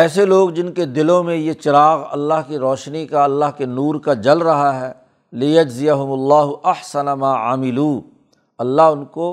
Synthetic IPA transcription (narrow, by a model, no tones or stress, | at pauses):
ɛːseloːɡd͡ʒɪnked̪ɪlõmẽjet͡ʃɪɾaːɣɐ̰lːaɦkiɾɔːʃnikaɐlːaɦkenuːɾkad͡ʒɐlɾɐɦaɦɛː | lɪjɐd͡ʒzɪjɐɦʊmʊɐlːaːɦʊʔɐħsɐnamaːʕa̰ːmɪluː | ɐlːaɦʊnko